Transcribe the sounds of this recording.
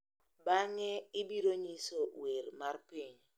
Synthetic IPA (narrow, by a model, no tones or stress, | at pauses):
baŋɛɪbiɾoɲisowermarpɪɲ